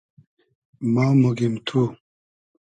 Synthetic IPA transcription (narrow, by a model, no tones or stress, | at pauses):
maːmuɡimt̪ʰu